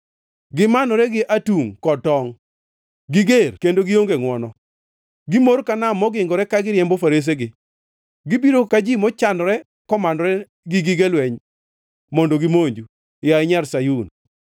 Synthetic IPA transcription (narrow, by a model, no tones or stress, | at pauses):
ɡɪmanɔɾɛɡɪʔatuŋkɔtɔŋ | ɡɪɡerkendoɡijoŋɡeŋwɔnɔ | ɡɪmoɾkanamːɔɡɪŋɡɔɾɛkaɡɪɾɪjɛmbofaɾes̬eɡɪ | ɡibiɾokad͡ʒimɔt͡ʃanɔɾɛ | kɔmanɔɾɛ | ɡɪɡɪɡelwɛɲ | mɔndoɡimoɲd͡ʒu | jaɪɲarsajun